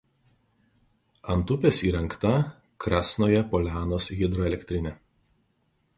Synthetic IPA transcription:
ɐnt̪ʊpʲesiːɾʲɛŋˑkt̪ɐ | kɾɑːsnoːjɛpɔlʲæːnoːsɣʲɪd̪ɾɔɛlʲɛkʲt̪ʲɾʲɪnʲɛ

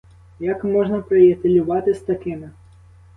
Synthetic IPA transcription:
jakmɔʒnɐpɾɪjɐt̪elʲʊʋɑt̪ɪst̪ɐkɪmɪ

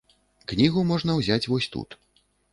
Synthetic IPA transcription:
knʲiɣumɔʐn̪ɐwzʲat͡sʲvɔsʲt̪ṵt̪

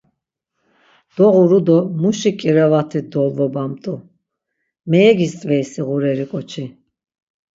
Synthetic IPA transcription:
d̪̥ɔʁuɾud̪ɔmuʃikʼiɾɛvat̪ʰid̪ɔlvɔbamt̪ʼu | mɛːɡist̪ʼvɛisiʁuɾɛɾikʼɔt͡ʃʰi

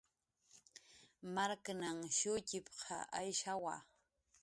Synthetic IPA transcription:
maɾkanaŋʃʊcɪpqʰɑ̰ʔajʃawa̰

